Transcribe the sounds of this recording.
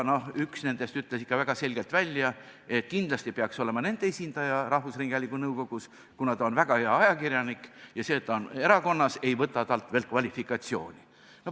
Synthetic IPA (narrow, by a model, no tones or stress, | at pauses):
no̞hyksne̞nd̪̥e̞st̪yt̪ːˑlesi̥kːɑvæɡ̥ɑse̞lʲɡ̥e̞lt̪vælʲjɑe̞t̪̚ːkind̪̥lɑst̪ipeɑkso̞le̞mɑne̞nd̪̥eesʲind̪̥ɑjɑrɑhvusriŋɡ̥ɑlʲikːunɤwko̞ɡ̥us | kunɑd̪ɑonvæɡ̥ɑheɑɑjɑkirjɑnikjɑse̞ːt̪ːˑɑone̞ɾɑko̞nːɑse̞jvɤt̪ːˑɑt̪ɑlt̪ve̞ːl̚kvɑlʲifikˑɑt̪sio̞̰ːnʲi | no